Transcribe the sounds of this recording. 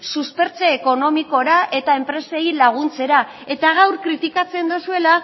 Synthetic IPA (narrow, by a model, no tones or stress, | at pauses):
suspe̞ɾt͡seːko̞no̞miko̞ɾaʔe̞t̪ae̞mpɾe̞se̞jlaɣ̞unt͡se̞ɾa | e̞t̪aɣ̞awɾkɾit̪ikat͡se̞nd̪usue̞la